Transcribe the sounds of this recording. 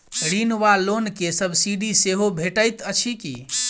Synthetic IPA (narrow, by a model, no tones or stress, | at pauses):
ɽinʋalonkesəbʱsiɖiseɦobʱeʈəjt̪ət͡ʃʰikḭ